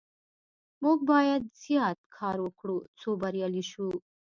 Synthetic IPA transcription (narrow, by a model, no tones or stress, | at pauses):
muɡ̚bɑːjɐd̪̚zijɑːt̪̚kʰɑːɾokɽut͡sʰoːbɐɾjaliʃu